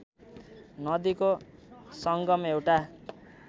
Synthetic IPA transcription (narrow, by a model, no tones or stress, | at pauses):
nʌd̪ikosʌŋɡʌmewʈa